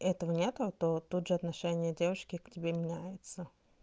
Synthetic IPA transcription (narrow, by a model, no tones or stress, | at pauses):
ɛt̪əvənʲet̪ʊt̪ot̪ut̪ʐɨɐt̪nɐʂɛnʲɪjədʲevɨʂkʲɪktʲɪbʲemʲɪnʲæjɪt̪sə